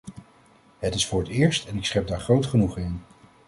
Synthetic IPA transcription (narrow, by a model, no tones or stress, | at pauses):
ɦətɪsfʊːɹətɪːɹstɛnɪksχɛp̚daːɹχrowtχənuχɪn